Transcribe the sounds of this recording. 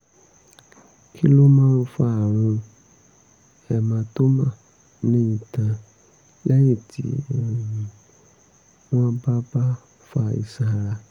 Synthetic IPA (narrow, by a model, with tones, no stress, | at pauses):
ki˦lo˦mãː˦˧ũ˦fa˦a˨w̃ɔ̃˧ | ɛ˨mã˧to˦mã˦˨ | m˦ĩ˦ĩ˨tã˧ | lɛ˦jĩ˦˨tʰḭ˨˦˨ĩ˨ | w̃ã˦ba˦ba˦ | fa˧˨ḭ˨sa˧˨ɾa˧